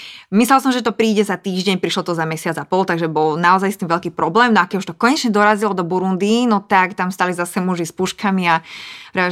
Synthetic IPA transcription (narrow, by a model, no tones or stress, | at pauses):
mislɛlsɔmʒɛt̪ɔpɾiːɟɛzat̪iːʒɟɛɲpɾiʃlɔt̪ɔzamɛsɪad͡zapɔlt̪aɡʒɛbɔlnaɔzajst̪iːmʋɛʎkiːpɾɔblɛːmnɔakɛuʃt̪ɔkɔɲɛt͡ʃɲɛd̪ɔɾazilɔd̪ɔbuɾund̪inɔt̪akt̪amst̪alizasɛmuʒispuʃkamiaɾa